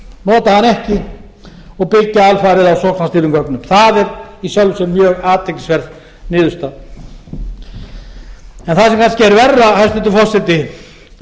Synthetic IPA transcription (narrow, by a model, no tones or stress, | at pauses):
nɔːt̪ahanɛhcɪ | ɔɣpɪcːaalfaɾɪðawsɔk̪aast̪iːɾʏŋkœknʏmθaðɛɾisjœlvsɛmːjœːɣaːt̪ʰːejci̥svɛɾð | nɪːðʏst̪a | ɛnθasɛmkʰanscɪɛɾvɛrːahast̪ɪt̪ːɪfɔr̥t̪sɛt̪ːɪ